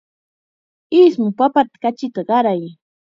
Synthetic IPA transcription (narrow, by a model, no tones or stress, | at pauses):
ɪsmʊpapat̪ḁkat͡ʃɪt̪aɢɑɾaj